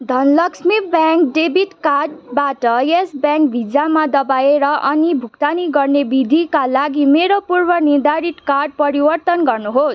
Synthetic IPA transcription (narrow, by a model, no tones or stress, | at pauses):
d̪ʱʌnlʌksmibjaŋk̚ɖebʱiʈkarɖ̚baʈʌjesbjãŋk̚bʱid͡zamad̪ʌbaeɾʌʔʌnibʱuk̚t̪aniɡʌrnebid̪ʱikalaɡimeɾopurbʌnid̪aɾiʈ̪karɖ̚pʌɾibʌrt̪ʌnɡʌrnuɦos